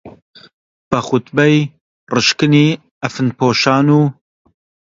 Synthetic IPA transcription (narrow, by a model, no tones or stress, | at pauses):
b̥ɐxʊt̪bɛj | rɨʃkɨniː | ɐfɨnpʰoːʃaːnuː